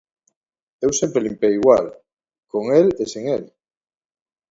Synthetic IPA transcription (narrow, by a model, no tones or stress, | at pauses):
ewsempɾelimpeiɣwal | koŋeleseŋel